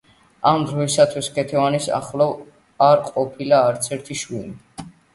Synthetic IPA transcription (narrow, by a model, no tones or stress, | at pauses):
amd̪ɾɔisat̪ʰwiskʰɛt̪ʰɛvanisa̰χlˠɔv | aɾqʼɔpʰilaːɾt̪sʰɛɾt̪ʰiʃwili